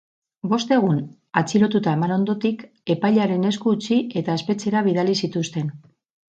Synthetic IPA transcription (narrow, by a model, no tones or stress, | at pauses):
bo̞st̪e̞ɣ̞un | at͡siɾo̞t̪ut̪aemano̞nd̪o̞t̪ik | e̞pajʎaɾe̞ne̞skuːt͡sie̞t̪aespe̞t͡se̞ɾaβ̞iðalisit̪ust̪e̞n